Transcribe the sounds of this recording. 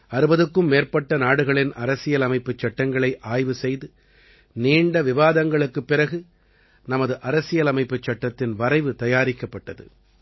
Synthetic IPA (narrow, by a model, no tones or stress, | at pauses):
ɐɾɯbɐðɯkːɯmːeːrpɐʈːɐnaːɽɯɣɐɭɪnɐɾɐsɪjɐlɐmɐɪpːɯt͡ʃːɐʈːɐŋɡɐɭɐɪʔaːjʋɯsɛjðɯ | niːɳɖɐʋɪʋaːðɐŋɡɐɭɯkːɯpːɪrɐɣɯ | nɐmɐðɯʔɐɾɐsɪjɐlɐmɐɪpːɯt͡ʃːɐʈːɐt̪ːɪnʋɐɾɐɪʋɯt̪ɐjaːɾɪkːɐpːɐʈːɐðɯ̰